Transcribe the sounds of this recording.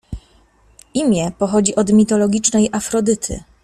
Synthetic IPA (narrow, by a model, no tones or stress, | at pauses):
imʲjɛpɔxɔd͡ʑiʔɔd̪mʲit̪ɔlɔɡʲit͡ʂnɛjʔafɾɔd̪ɘt̪ʰɘ̰